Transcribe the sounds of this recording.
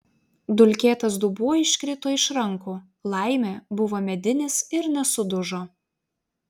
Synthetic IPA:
d̪ʊlʲkʲeːt̪ɐs̬d̪ubuːɪʃʲkʲɾʲɪt̪oːɪʃɾɐŋˑkuː | lˠɐˑɪmʲeːbʊʋoːmʲɛd̪ʲɪnʲɪsɪɾnʲɛsʊd̪ʊʒoː

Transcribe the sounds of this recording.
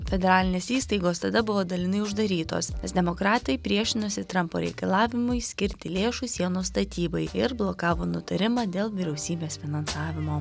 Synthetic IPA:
fʲɛd̪ʲɛɾɑːlʲɪnʲeːsiːst̪ɐɪɡoːst̪ɐd̪ɐbʊʋoːd̪ɐlʲɪnɐɪʊʒd̪ɐɾʲiːt̪o̰ːsnʲɛsd̪ʲɛmoːkɾɑːt̪ɐɪpʲɾʲiɛʃʲɪnʊsʲɪt̪ɾɐmpo̰ːɾʲɛ̰ɪkɐlˠɑːʋʲɪmʊɪsʲkʲɪɾʲt̪ʲɪlʲeːʃʊsʲiɛnoːst̪ɐt̪ʲiːbɐɪɪɾblˠokɑːʋoːnʊt̪ɐɾʲɪmɑːd̪ʲeːlˠʋʲɪɾʲɛʊsʲiːbʲeːsfʲɪnɐnsɑːʋʲɪmoː

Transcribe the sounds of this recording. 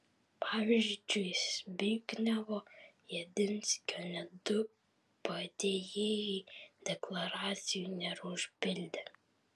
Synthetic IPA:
pʰɑːʋʲɪʒʲd͡ʒd͡ʒʲʊɪsʲbʲiːɡʲnʲɛʋoːjɛd̪ʲɪnʲsʲkʲoːnʲɛd̪ʊ | pɐd̪ʲeːjeːjɛd̪ʲɛklˠɐɾɑːt̪sʲɪjunʲɛɾʊʒʲpʲɪlʲd̪ʲɛ

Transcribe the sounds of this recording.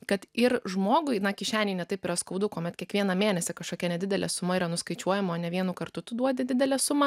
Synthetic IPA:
kɐt̪ɪrʒmoːɡʊɪnɐkʲɪʃʲæːnʲɛɪnʲɛt̪ɐɪpɪɾɐskɐʊd̪ʊkoːmʲɛt̪kʲiɛkʋʲiɛnɐmʲeːnʲɛsʲɪkɐʃkoːkʲɛnʲɛd̪ʲɪdʲɛlʲɛsʊmɐiːɾɐnʊskɐɪt͡ʃʲuɔjɛmoːnʲɛʋʲiɛnʊkɐɾt̪ʊt̪ʊd̪uɔd̪ʲɪd̪ʲɪd̪ʲɛlʲɛsʊmɐ

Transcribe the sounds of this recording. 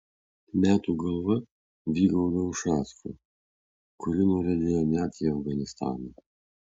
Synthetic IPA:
mʲæːt̪uːɡɐlˠʋɐ | ʋʲiːɡɐld̪ɐwʃɑːskʊ̰ | kʊɾʲɪnʊɾʲɛd̪ʲeːjɛnʲæːt̪ʲiɐvɡɐnʲɪst̪ɑ̰ːnɐ

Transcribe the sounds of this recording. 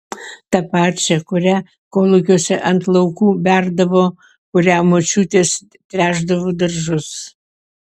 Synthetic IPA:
t̪ɐpɑːɾʲt͡ʃʲɛkʊɾʲæ | koːlˠʊkʲoːsʲɛʔɐnt̪lˠɐʊkuːbʲæɾd̪ɐʋoː | kʊɾʲæːmoːt͡ʃʲuːt̪ʲeːs | t̪ʲɾʲæːʒd̪ɐʋoːd̪ɐɾʒʊs

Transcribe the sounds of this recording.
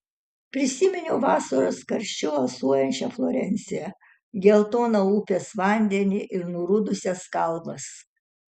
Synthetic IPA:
pʲɾʲɪsʲɪmʲɪnʲʊːʋɑːsɐɾoskɐɾʲʃʲt͡ʃʲʊɐlˠsuɔjɛnʲt͡ʃʲɛflˠɔɾʲɛnʲsʲɪɛ | ɡʲɛlˠt̪oːnouːpʲeːsʋɑˑnʲd̪ʲɛnʲɪʔɪɾnuɾʊd̪ʊsʲɛskɐlˠbɐs

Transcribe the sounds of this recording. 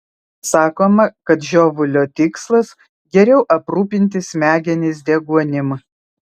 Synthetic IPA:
sɑːkoːmɐkɐt̪ʒʲoːʋʊlʲoːt̪ʲɪkslˠɐs | ɡʲɛɾʲɛʊʔɐpɾuːpʲɪnʲt̪ʲɪsʲmʲæːɡʲɛnʲɪsʲd̪ʲiɛɡuɔnʲɪm

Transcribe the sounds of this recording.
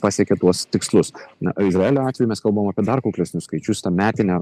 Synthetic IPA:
pɑsʲɛkʲɛt̪uɔst̪ʲɪkslˠʊsɪzɾɐeːlʲoːɑːt̪ʲʋʲɛjuʊmʲɛskɐlˠbɐʋoːmɐpʲiɛd̪ɐrkoʊkʲlʲɛsʲnʲʊskɐɪt͡ʃʲʊst̪ɐmʲæːt̪ʲɪnʲɛ

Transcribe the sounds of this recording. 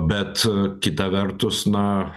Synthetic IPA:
bʲɛt̪kʲɪt̪ɐʋʲɛɾt̪ʊsnɐ

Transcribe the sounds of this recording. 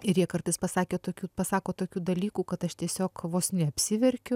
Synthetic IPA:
ɪɾjiɛkɐrt̪ɐɪspɐsɑːkʲeːt̪oːkʲuːpɐsɑːkoːt̪oːkʲuːd̪ɐlʲiːkuːkɐt̪ɐʃt̪ʲiɛsʲoːkʋoːsnʲɛɐpʲsʲɪʋʲɛɾʲkʲʊ

